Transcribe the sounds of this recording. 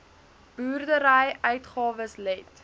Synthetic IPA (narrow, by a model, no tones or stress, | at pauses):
b̥uːrdəɾəjœɥtχɑːvəslɛt